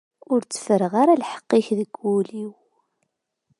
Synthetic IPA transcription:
ʊɾt͡sːə̥fəɾəʁaɾalħə̥qːɪçðəɡːuliw

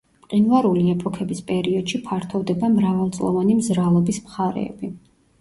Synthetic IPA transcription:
qʼinvaɾuliɛpʼɔkʰɛbispʼɛɾiɔd̪̥ʃipʰaɾt̪ʰɔvd̪ɛbamɾavalˠt̪sʼlˠɔ̰vanimzɾalˠɔbismχaɾɛ̰ːbi

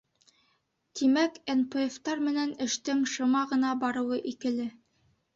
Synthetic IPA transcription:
t̪imækenpeft̪ɑɾmɘ̆nænɘ̆ʃt̪ɘŋʃŏmɑʁɤ̆nɑbɑɾɤ̆wɤʔikɘ̆lɘ

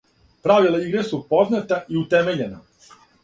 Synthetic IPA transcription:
pɾaʋilˠaiɡɾesupo̞znat̪aiut̪eme̞ʎena

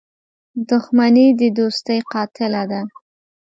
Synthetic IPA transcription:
d̪ʊxmanid̪əd̪ost̪əjqɑt̪ɪlad̪a

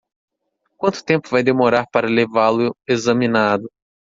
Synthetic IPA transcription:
kwɐ̃nt̪ʊ̥t̪ẽmpʊvajd̪emoɾaɾpaɾɐlevalʊezɐ̃mĩnad̪ʊ

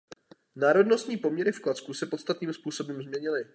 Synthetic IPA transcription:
naːɾo̞dnost̪ɲiːpo̞mɲɛɾɪfklat͡skusɛpo̞t̪st̪at̪niːmspuːso̞bɛmzmɲɛɲɪlɪ

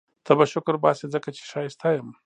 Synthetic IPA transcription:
t̪ʰabaʃʊkɾbaːsezəkat͡ʃe̥ʂaːjest̪ʰajəm

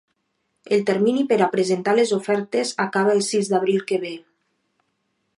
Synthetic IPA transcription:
elˠt̪eɾminipeɾapɾezent̪alezofɛɾt̪ezakaβaelˠsizd̪aβ̞ɾilˠkəβe

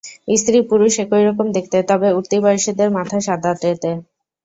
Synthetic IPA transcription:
ist̪ɾipuɾuʃekojɾɔkomd̪ekʰt̪et̪ɔbeuɾt̪ibɔjiʃid̪eɾmat̪ʰaʃad̪ʱat̪ɾet̪e

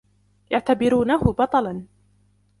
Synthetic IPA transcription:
jaʕt̪abɪɾuːnaɦʊbɑt̪ˤɑlɑn

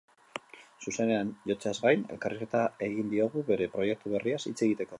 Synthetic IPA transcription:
suse̞ne̞anʝo̞t͡seazɣajne̞̰lkariske̞t̪ae̞ɣind̪io̞ɣuβe̞ɾe̞pɾo̞je̞k̚t̪uβ̞e̞riasḭt͡se̞ɣ̞it̪e̞ko̞

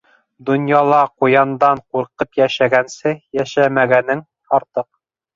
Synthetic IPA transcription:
d̪ŏnjɑlˠɑqujɑnd̪ɑɴquɾqɤpjæʃæɡænsɘjæʃæmæɡænɘŋ | ɒɾt̪ɤq̚

